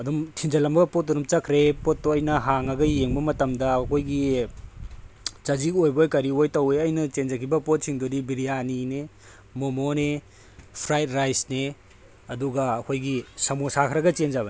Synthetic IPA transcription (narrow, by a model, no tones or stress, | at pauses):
ɐdumtʰind͡ʒɐlɐmbɐɡɐpot̚ːonumt͡ʃɐkʰɾepot̚ːoɐjnɐɦaŋɐɡɐjeŋbɐmɐtɐmdɐːkʰojɡi | t͡ʃɐzikojbojkɐɾiojtɐweɐjnɐt͡ʃend͡ʒɐkʰibɐpot̚siŋdodibiɾijanine | momone | pʰɾajt̚ɾajsne | ɐduɡɐɐkʰojɡisɐmosakʰɾɐɡɐt͡ʃend͡ʒabɐn